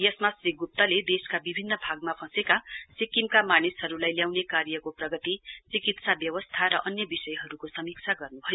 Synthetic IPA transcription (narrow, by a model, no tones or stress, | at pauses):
jesmasriɡup̚t̪ʌled̪eskabibʱinːʌbʱaɡ̚mapʰʌ̃sekasikimkamanisɦʌɾulajljawnekaɾjʌkoprʌɡʌt̪it͡sikit̪sabjʌwʌst̪ʰaɾʌʔʌnjʌbisʌjɦʌɾukosʌmik̚t͡sʰaɡʌrnubʱʌjo